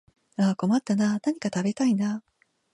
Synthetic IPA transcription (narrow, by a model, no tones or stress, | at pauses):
aːko̞mat̪ːananaɲ̟ikat̪abe̞t̪aina